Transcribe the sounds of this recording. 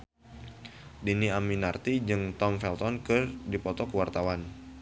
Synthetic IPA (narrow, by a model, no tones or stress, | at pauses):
diniaminart̪id͡ʒɨŋt̪ɔmfɛlt̪ɔnkɨrdipɔt̪ɔkəwart̪awan